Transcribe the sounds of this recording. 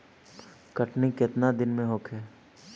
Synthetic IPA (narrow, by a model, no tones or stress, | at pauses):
kəʈnikɪt̪nad̪ɪnmẽɦokʰɦɛː